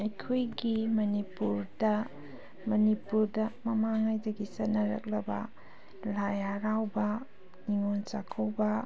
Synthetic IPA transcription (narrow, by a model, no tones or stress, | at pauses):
ɐjkʰojɡimɐnipuɾdɐ | mɐnipuɾdɐmɐmaŋajdɐɡisɐnɐɾɐ̰k̚lɐbɐ̰ | lajaɾawbɐ | niŋont͡ʃakʰowbɐ